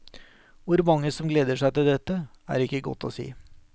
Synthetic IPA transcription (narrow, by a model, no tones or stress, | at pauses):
ʋʊɾmɑŋːəsɔmɡleːd̪əʂæɪt̪ɪld̪ɛt̪ːə | æ̰ːɾɪkːəɡɔ̰t̪ːɔ̰sḭː